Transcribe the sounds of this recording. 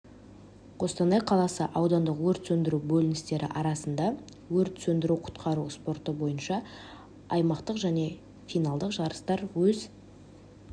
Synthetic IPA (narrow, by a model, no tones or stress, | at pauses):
qʰo̞st̪ɑnɑjqʰɑlˠɑsəʔɑwd̪ɑnd̪əqwɵɾt̪sɵnd̪ɪɾubɵlɪnɪst̪e̞ɾɪ̰ʔɑɾɑsənd̪ɑ | wɵɾt̪sɵnd̪ɪɾuqʰʊ̥t̪qʰɑɾuspo̞ɾt̪əbo̞jənʃɑ | ɑjmɑqt̪əqʒæne̞ | fijnɑlˠd̪əqʒɑɾəst̪ɑɾwɵz